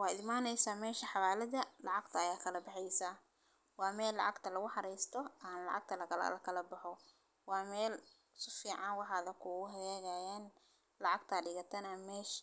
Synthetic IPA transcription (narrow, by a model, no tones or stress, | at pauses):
wɑːd̪ɪmaːnɛjsaːmɛːʃɐħɑβaːlɐðɐlɑʕɑɡt̪ʰɐːjaːkʰɐlɐbɑħɛjsa | wɑːmɛːlːɑʕɑɡt̪ʰɐlɐɣʊħɑɾɛjst̪ʰɔaːnlɑ̰ʕɑ̰ɡ̚t̪ʰɐlɐkʰɐlɐ̰lɐkʰɐlɐbɐħɔ | wɑːmɛːl | sʊfiːʕɑnwɑħɑːðɐkʰʊɣʊɦɛɛːɣajaːn | lɑʕɑɡt̪ʰɐɖɪɣɐt̪ʰɐnɐmɛːʃ